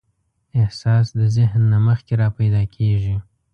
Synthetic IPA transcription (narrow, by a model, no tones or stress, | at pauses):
ɪhsɑsd̪əzɪɦnːaməxkeɾɑpajd̪ɑkʰeʐi